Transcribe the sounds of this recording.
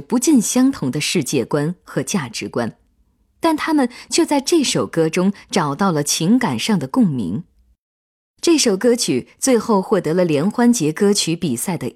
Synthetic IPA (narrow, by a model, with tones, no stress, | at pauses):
pu˧˥t͡ɕi˥˩nɕjɑ˥ŋt̪ʰʊ˧˥ŋd̪ə˧ʂɻ̩˥˧t͡ɕjɛ˥˩kwa˥nxɤ˧˥t͡ɕja˥˩ʈ͡ʂɻ̩˧˥kwa̰˥n | t̪a˥˩nt̪ʰa˥mə˨nt͡ɕʰɥɛ˥˧t͡sa˥˧ɪʈ͡ʂɤ˥˩ʂo˨˩ʊkɤ˥ʈ͡ʂʊ˥ŋʈ͡ʂɑ˨˩ʊt̪ɑ˥˩ʊlə˩t͡ɕʰi˧˥ŋka˨˩nʂɑ˥˩ŋd̪ə˩kʊ˥˩ŋmḭ˧˥ŋ | ʈ͡ʂɤ˥˩ʂo˨˩ʊkɤ˥t͡ɕʰy˨˩t͡swe˥˧ɪxo˥˧ʊxwɔ˥˩t̪ɤ˧˥lə˧ljɛ˧˥nxwa˥nt͡ɕjɛ˧˥kɤ˥t͡ɕʰy˧˥pi˨˩sa˥˩ɪd̪ə˩